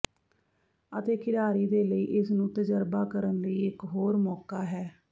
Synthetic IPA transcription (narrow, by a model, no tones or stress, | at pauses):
ət̪eːkɪɽaːɾiːd̪eːləiːʔɪsnũːt̪əd͡ʒəɾbaːkəɾənləiːɪkɦoːɾmɔːkaːɦɛː